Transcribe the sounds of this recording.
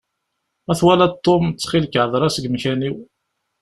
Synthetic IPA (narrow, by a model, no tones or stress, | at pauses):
æθwælæt̪ˤːomt͡sːχilkʕəðˤɾˤɑsəɡmçæniw